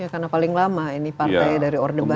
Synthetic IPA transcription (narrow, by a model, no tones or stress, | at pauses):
jakarnapalɪŋlamainipart̪ajdaɾiɔrdəba